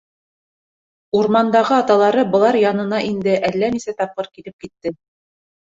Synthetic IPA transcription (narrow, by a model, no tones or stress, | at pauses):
uɾmɑnd̪ɑʁɤɑt̪ɑlˠɑɾɤbɤ̆lˠɑɾjɑnɤ̆nɑʔind̪ɘʔælːænisæt̪ɑp̚qɤɾkilɘp̚kit̪ːɘ